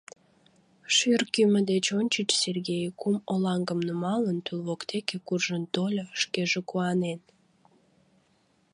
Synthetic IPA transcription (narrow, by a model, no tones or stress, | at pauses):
ʃyrkyməd̪et͡ɕonʲt͡ɕət͡ɕserɣejkumolɑŋɡəmnumɑlənt̪ulβokt̪ekekurʒənt̪olʲoʃkeʒekuɑnen